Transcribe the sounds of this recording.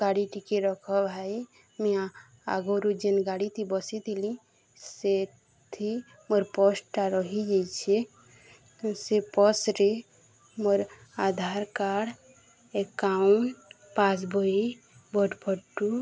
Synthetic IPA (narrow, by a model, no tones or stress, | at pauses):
ɡaɽiʈikeɾɔkʰɔbʱae | mẽa | a̰ɡoɾud͡ʒenɡaɽit̪ʰibɔsit̪ʰilĩ | se | t̪ʰi | məɾpɔsʈaɾɔɦid͡ʒet͡ʃʰe | sepɔsɾe | məɾad̪ʱaɾkaɽ | ekauɳʈ | pas̬bʱoi | bɔʈpʰəʈːu